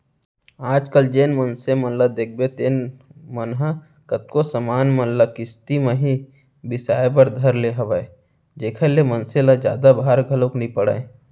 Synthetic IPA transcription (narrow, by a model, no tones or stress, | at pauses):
aːd͡ʒkəld͡ʒeːnmənsemɐnlad̪eːk̚ʰbet̪eːnmənɦə | kɐt̪̚kosəmaːnmɐnlakɪst̪imẽɦi | bɪsaːjbəɾd̪ʱɐɾleɦɐʋaːe | d͡ʒeːkʰəlemɐnselad͡ʒja̰ːd̪abʱaːɾɡʱɐloknipəɽa̰ːẽ